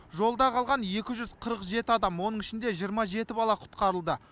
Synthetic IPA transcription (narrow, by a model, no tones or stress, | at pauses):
ʒo̞lˠd̪ɑqʰɑlˠʁɑnje̞kʲɪʒʏzqʰəɾəqʒe̞t̪ɪɑd̪ɑmwo̞nəɴɪʃɪnd̪e̞ʒijəɾmɑʒe̞t̪ɪbɑlˠɑqʰʊ̥t̪qɑɾəlˠd̪ə